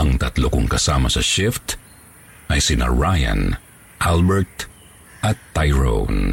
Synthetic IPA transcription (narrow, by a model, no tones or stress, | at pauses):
ʔɐŋt̪ɐt̪lokʊŋkɐsaːmɐsɐʃɪft̪ | ʔɐjsɪna̰ɹajɐ̰̃n | ʔalbɛɹt̪ | ʔɐt̪ːajɹo̰wn